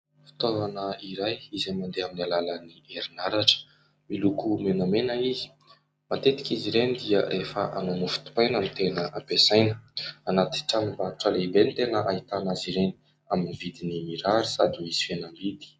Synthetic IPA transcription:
fi̥t̪oanəiɾajizemand̪eaminalalanieɾinaɾaʈ͡ʂə̥ | milukumenamenəizi̥ | mat̪et̪i̥kʲiziɾenid̪iəɾʔefə̰ʔa̰nonufi̥t̪u̥pajnamit̪enəʔapesajnəanat̪i̥ʈ͡ʂamibauʈ͡ʂəlebenit̪enəʔait̪anaziɾeni̥ | aminivid̪inimiɾaɾisad̪iiz̥i̥fenambid̪i̥

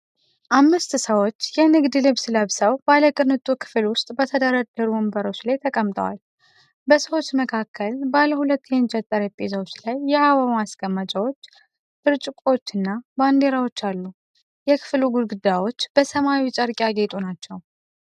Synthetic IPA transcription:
ʔamːɨst̪səwo̞t͡ʃːjɛnɨɡd̪ɨlɨβsləβsəwbaləkʼɨnɨt̪ʼukʰɨ̥flwʊst̪ʼbət̪ʰəd̪əɾad̪əɾuɨmbəɾo̞t͡ʃːlajt̪ʰəkʼəmːt̪ʼə̰wa̰l | bəsəwot͡ʃːməkʰakʰːəlbalːəhulət̪ːjɛnt͡ʃʼət̪ʼːəɾep̪ʼːezawot͡ʃːlajːɛhawamasɡʼəmːat͡ʃʼawo̞t͡ʃː | fɨɾt͡ʃʼɪkʼo̞t͡ʃːɨnːaband̪e̞ɾawo̞t͡ʃːalːu | jɛkʰɨ̥fluɡud̪ɡud̪ajwo̞t͡ʃːb̥əsəmajit͡ʃʼəɾkʼjaɡe̞t̪ʼunat͡ʃːɛw

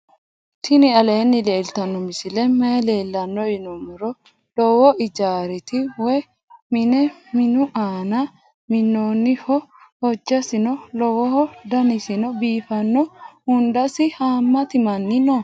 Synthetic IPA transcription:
t̪ʰɪnɪɐle̞ːnːɪleːlt̪ɐnːɔmɪsɪlɛmele̞ːlːɐnːɔjɪnɔmɪɾɔ | lɔwɔʔɪd͡ʒaːɾɪt̪ɪwɔj | mɪnɛmɪnʊʔaːnɐ | mɪnːoːnːɪhɔ | hɔd͡ʒːɐsɪnɔlɔwɔhɔd̪ɐnɪsɪnɔbiːfɐnːɔhʊnd̪ɐsɪhaːmːɐt̪ɪmɐnːɪnɔ

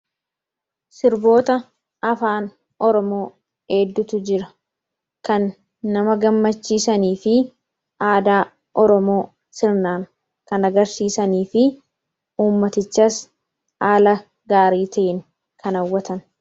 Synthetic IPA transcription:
sɪɾbo̞ːt̪ɐ | ɐfaːn | ʔɔɾɔmo̞ː | ɛd̪ːʊt̪ʊd͡ʒɪɾɐ | kɐnː | ɐmɐɡɐmːɐt͡ʃːiːsɐniːfɪ | ʔaːd̪aː | ʔɔɾɔmo̞ː | sɪɾnaːn | kɐnɐɡɐɾsiːsɐniːfɪ | uːmːɐt̪ɪt͡ʃːɐs | aːlɐ | ɡaːɾiːt̪ɐʔɪn | kɐnɐwːɐt̪ɐn

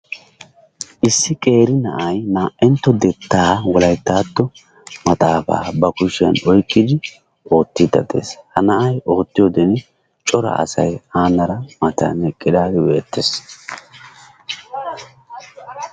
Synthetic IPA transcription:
ʔɪsːɪkʼe̞ːɾɪnɐʔɐjnaːʔɛnt̪ːɔd̪ɛt̪ːaːwɔlɐjt̪ːaːt̪ːɔ | mɐt̪ʼaːfa̰ːbɐkʊʃɪjɐ̰nɔjkʼːɪd̪ɪ | o̞ːt̪ːid̪ɐ̰d̪ḛːshɐnɐʔɐjʔo̞ːt̪ːɪjoːd̪ɛn | t͡ʃʼɔɾɐ̰ɐ̰sɐ̰jaːnːɐɾɐmɐt̪ɐ̰nɛkʼːɪd̪aːɡ̪ɪbe̞ːt̪ːes

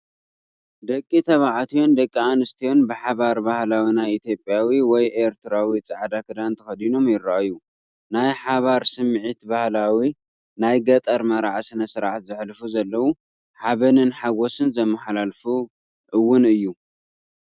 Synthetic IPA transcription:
d̪ɐkʼːit̪ʰɐβaʕat̪ʰijo̞nd̪ɐkʼːianɨst̪ʰijo̞nbɨħaβaɾbahlawinajit̪ʰjo̞pʼjawiwɔjʔeɾt̪ʰɨɾawit͡sʼaʕd̪akʰɨd̪ant̪ʰɐxɐd̪ino̞mjɪɾːaʔju | najħaβaɾsɨmːʕit̪bahlawi | najɡɐt̪ʼɐɾmɐɾaʕasɨnɐsɨɾaʕat̪zɨħlfuzɐlːɐwu | ħaβɐnɨnħaɡo̞sɨnzɐmːɐħlalfu | ʔɨwːʊnɨjːu

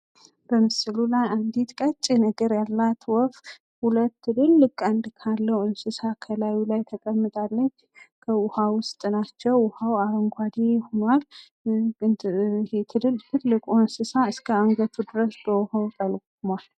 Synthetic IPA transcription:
b̥əmɨsɨlulajand̪it̪kʼət͡ʃʼːinəɡəɾjalːat̪wɔf | hulət̪ːɨlɨlːɨkʼand̪kʰalːəwɨnsɨsakʰəlawulajt̪ʰəkʼəmːɨt̪ʼalːət͡ʃːkʰəʊhawʊst̪ʼnat͡ʃːɛwʊhawaɾəŋɡʷad̪ehonwal | het̪ʰɨlɨlt̪ʰɨlːɨkʼonsɨsaɨskʰəaŋɡət̪ʰud̪ɨɾəsbəhawt̪ʼəlkʼumal

